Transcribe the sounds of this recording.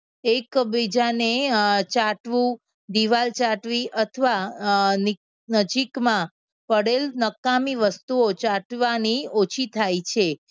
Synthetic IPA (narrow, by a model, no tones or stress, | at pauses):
ekbid͡ʒanet͡ʃaʈʋũ | d̪iʋalt͡ʃaʈʋiʔət̪ʰəʋani | nəd͡ʒikmã | pəɽelnəkːamiʋəst̪uot͡ʃaʈʋaniot͡ʃʰit̪ʰajt͡ʃʰe